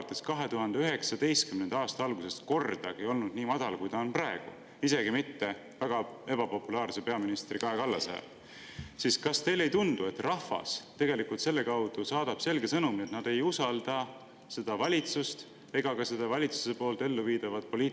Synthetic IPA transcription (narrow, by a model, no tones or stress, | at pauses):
t̪ːˑeskɑɦe̞t̪uɦɑnd̪̥eyɦe̞ksɑd̪e̞jst̪̚kymnend̪ɑɑːst̪ɑɑlɡ̥use̞st̪ko̞rd̪̥ɑɡejo̞lnud̪̥niːmɑd̪̥ɑlkujt̪ɑonprɑeɡ̥ṵ | ise̞ɡimit̪ːe̞ | væɡ̥ɑe̞bɑpo̞pːulɑːrse̞pe̞ɑminist̪rikɑekɑlːɑsɑ̰jɑ̰d̪ | siːskɑst̪e̞jle̞jt̪und̪̥ue̞t̪ːrɑfɑ̰st̪e̞ɡe̞likult̪se̞lːe̞kɑwd̪̥usɑːd̪̥ɑb̥se̞lɡe̞sɤnumiet̪nɑd̪̥e̞jusɑld̪̥ɑ | se̞d̪̥ɑvɑlʲit̪sust̪ | e̞ɡ̥ɑɡɑse̞d̪̥ɑvɑlʲit̪su̥se̞po̞ːlt̪e̞lːuviːd̪̥ɑvɑd̪̥̚po̞lʲiː